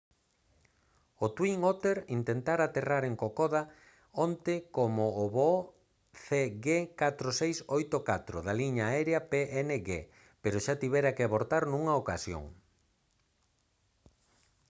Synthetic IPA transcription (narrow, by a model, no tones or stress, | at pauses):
ot̪wiŋot̪eɾint̪ent̪aɾat̪eraɾeŋkokoð̞a | ont̪ɪkomoːβo | θeɣekat̪ɾosejsojt̪okat̪ɾoðaliɲaːɛɾeɐpeʔeneɣe | peɾʊʃat̪iβɛɾakɪaβoɾt̪aɾnũŋɐokasjo̰ŋ